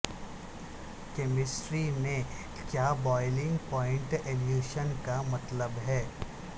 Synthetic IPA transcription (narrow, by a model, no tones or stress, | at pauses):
kɛmɪsʈɾimẽ | kjaːbɔːɪlɪ̃ŋɡpɔːɪ̃ɳʈeljuːʃənkamɐt̪ləbɦɛː